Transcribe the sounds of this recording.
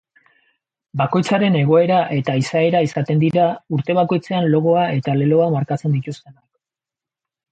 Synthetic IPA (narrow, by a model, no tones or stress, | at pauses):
bako̞jt͡saɾe̞ne̞ɣ̞o̞e̞ɾaʔe̞t̪aisae̞ɾaisat̪e̞nd̪iɾauɾt̪e̞βako̞jt͡se̞anlo̞ɣ̞o̞ae̞t̪ale̞lo̞amaɾkat͡se̞nd̪it̪ust̪e̞nak